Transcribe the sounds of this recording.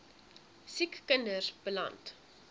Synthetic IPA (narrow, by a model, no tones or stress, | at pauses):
sikːəndərb̥əlɐ̰nt